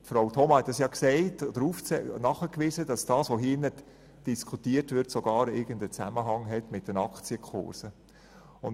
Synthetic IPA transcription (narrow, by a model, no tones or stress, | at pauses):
tfɾaʊtʰɔmɑhɛtdɑsjɑːksɛɪtɔd̥əɾuːft͡sɛnɑχəkʋɪːzəd̥ɑsd̥ɑːsʋoɦiːnət | d̥iskʰutiːəɾtʋɪɾtsoɡ̥ɑːɾɪɡəndət͡sæməɦɑŋɦɛtmɪt̚d̥ənɑkt͡siəkʰʊ̰ɾsə | ʊn